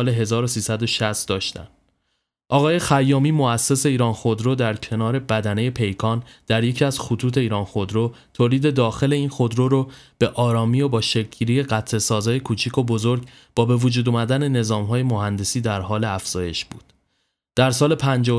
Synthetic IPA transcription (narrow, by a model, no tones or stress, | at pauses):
le̞ɦe̞zɒːɾo̞siːsæd̪o̞ʃæst̪̚d̪ɒːʃt̪æ̰n | ʔɒːɣɒːje̞xæjːɒːmiːmoæsːese̞iːɾɒːnxo̞d̪ɾod̪æɾcʰe̞nɒːɾe̞bæd̪æne̞je̞pʰe̞jkʰɒːnd̪̥æɾje̞cʰiæz̥xot̪ʰuːt̪ʰe̞iːɾɒːnxo̞d̪ɾo | t̪ʰoːliːd̪e̞d̪ɒːxe̞le̞iːnxo̞d̪ɾoːɾo | b̥e̞ʔɒːɾɒːmiːobɒːʃekɟiːɾije̞ɢæt̪ʰle̞sɒːzɒːje̞kʰuːt͡ʃʰikʰo̞bozoɾɟ | b̥ɒːbe̞vod͡ʒuːd̪umæd̪æne̞ne̞zɒːmɦɒːje̞mohænd̪e̞siːd̪æɾɦɒːle̞æfz̥ɒːje̞̰ʃbuːd̪̥ | d̪̥æɾsɒːle̞pʰænd͡ʒɒː